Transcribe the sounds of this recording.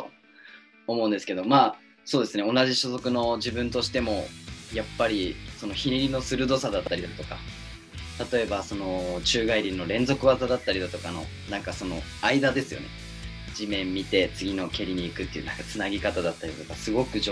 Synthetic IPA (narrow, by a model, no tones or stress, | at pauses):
o̰ | omo̞ɯ̟̃nd̪e̞sɨ̥ke̞d̪o̞maː | soːd̪e̞sɨne̞o̞naʑiɕozo̞kɯ̟no̞d͡ʑibɯ̃nt̪o̞ɕi̥t̪e̞mo̞japːaɾʲiso̞no̞çiɾʲiɾʲino̞sɨɾɯ̟d̪o̞sad̪at̪ːaɾʲid̪at̪o̞ka | t̪at̪o̞e̞baso̞no̞t͡ɕɨːɡaiɾʲĩnːo̞ɾẽ̞nzo̞kɯ̟βazad̪at̪ːaɾʲid̪at̪o̞kano̞̰ | nãŋkaso̞no̞̰ | aid̪ad̪e̞sɨjo̞̰ne̞̰ | d͡ʑimẽ̞mːʲit̪e̞t͡sɨɡʲino̞kʲe̞ɾʲiɲ̟iːkɯ̟t̪ːeiɯ̟̰nãŋkat͡sɨnaɡʲikat̪ad̪at̪ːaɾʲid̪at̪o̞kasɨɡo̞kɯ̟ʑ